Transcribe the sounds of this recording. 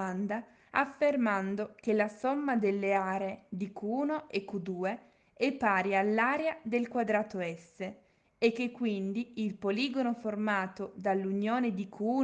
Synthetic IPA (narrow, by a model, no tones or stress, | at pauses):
and̪a | afːermand̪okelasɔmːad̪elːeaːɾeːd̪ikʰuːnoʔɛkːud̪uːe | epːaːɾjaalːaːɾead̪elkwad̪ɾaːt̪oɛsːe | ekːekːwind̪iilpoliːɡonoformaːt̪od̪alːunjoːned̪ikʰuː